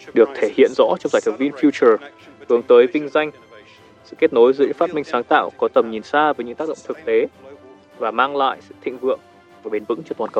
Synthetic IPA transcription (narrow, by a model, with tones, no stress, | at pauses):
ɗɨ˨˩ək̚t̪ʰe˧˩hḭ˧˨ənzɔ̰˧˥t͡ɕɔ˧wŋ͡mzaː˧˩jfə˨˩vi˧nfju˧t͡ɕə˨˩ | hɨ˨˦əŋt̪əː˨˦jvï˧ŋ̟za˧jŋ̟ | sɨ̰˧˥˨ke˦˥t̚no˨˦jzɨ˨˧˦əɨ̰˧˥˦faː˦˥t̚mï˧ŋ̟saː˨˦ŋt̪a̰ː˧˨wkɔ˨˦t̪ə˨˩mɲi˨˩nsaː˧vəː˨˦jɲɨ̰˧˥ŋaː˦˥k̚ɗə̰˧˨ŋ͡mt̪ʰɨ˨˩k̚t̪e˨˦ | vaː˨˩maː˧ŋla̰ː˧˨jsɨ̰˧˨t̪ʰḭ̈˧˨ŋ̟vɨ̰˧˨əŋ | vaː˨˩ɓe˨˦nvɨ̰˧˥ŋt͡ɕɔ˧t̪waː˨˩nkə̰˧˩